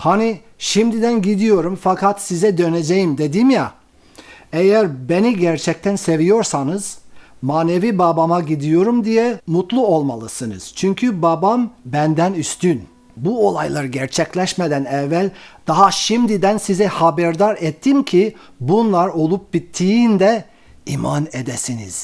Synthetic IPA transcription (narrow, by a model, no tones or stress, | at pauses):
hani | ʃimd̪id̪ænɟid̪ijo̞ɾumfakʰat̪sizɛd̪ø̞ne̞d͡ʒejimd̪e̞d̪imja | ejæɾbe̞niɟæɾt͡ʃʰɛc̚t̪ʰænse̞vijo̞ɾsanɯz̥maːne̞vibabamaɟid̪ijo̞ɾumd̪ijɛmut̪ʰlˠuo̞lˠmalˠɯsɯnɯ̰z̥t͡ʃʰyɲcʰybabambænd̪ænyst̪yn | buo̞lˠajlˠaɾɯɟæɾt͡ʃʰɛclʲɛʃmed̪ænɛvːælʲd̪̥aɦaʃimd̪id̪ænsizɛhabæɾd̪aɾɛt̪ʰːimcʰi | bunlˠaɾo̞lˠup̚bit̪ʰːijind̪ɛ | imaned̪ɛsinḭz̥